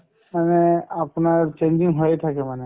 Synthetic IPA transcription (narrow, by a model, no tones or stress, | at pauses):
maneapnaɹt͡ʃend͡ʒiŋɦɔjt̪ʰakɛmane